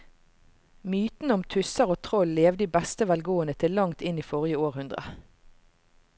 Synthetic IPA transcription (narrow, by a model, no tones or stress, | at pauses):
myːt̪n̩əɔmt̪ʰʉsəʁoːt̪ʰʁɔlleːʋd̪iːbɛst̪əʋɛlɡoːənət̪ʰɪllɑŋt̪ɪniːfɔʁjəoːʁhʉnd̪ʁə̰